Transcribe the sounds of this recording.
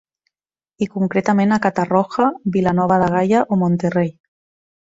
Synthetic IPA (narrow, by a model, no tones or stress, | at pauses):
ikuŋkɾet̪amẽnakat̪arɔxabilanɔβaðaɣ̞ajaʔomont̪erej